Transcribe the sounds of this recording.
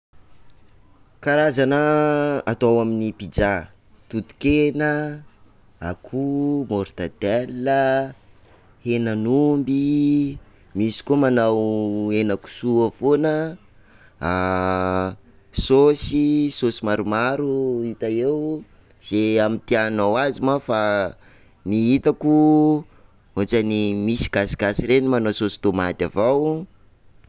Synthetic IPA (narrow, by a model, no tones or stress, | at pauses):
kaɾazanəa̰t̪awaminipid͡ʒa | t̪ut̪u̥kenə | a̰kʰumoɾt̪at̪ɛlːə | henanumbi | misi̥komanawenaku̥suəfonə | a | sosisosimaɾumaɾuit̪aew | z̥eamit̪ianawazimafa | niɦit̪aku | ot͡ʃanimisi̥ɡ̥asi̥ɡ̥asirenimanososi̥t̪omat̪avaw